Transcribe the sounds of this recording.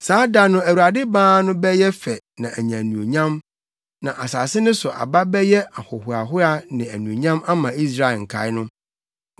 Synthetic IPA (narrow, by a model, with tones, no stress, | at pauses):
saː˨˦da˨nʊ̃˦æ˨wu˨a˨dɪ˦bãː˦nʊ̃˦bɛ˦jɛ˦fɛ˨nã˨ʔæ˨ɲã˨nũ˨o˨ɲã˦m | nã˨ʔa˨saː˨sɪ˦nʊ̃˦sʊ˨ʔa̰˨ba˦bɛ˦jɛ˦a˨hɔ˨hʊ˨a˨ɦʊ˦a˦nɪ̃˨æ˨nũ˨o˨ɲã˦ma˦mã˨i˦sɾa˦˨ɪ˨ŋ̩˨kʰa̰˨˦ɪ˦nʊ̃˦